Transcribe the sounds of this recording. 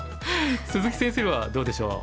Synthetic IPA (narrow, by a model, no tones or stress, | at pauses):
sɨzɨkʲi̥sẽɰ̃seɾβad̪o̞ːd̪e̞ɕo̞̰ː